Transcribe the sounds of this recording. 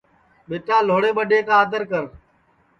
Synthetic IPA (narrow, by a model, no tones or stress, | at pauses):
ɓeːʈãːloːɽeːɓəɖeːkãːd̪əɾkəɾ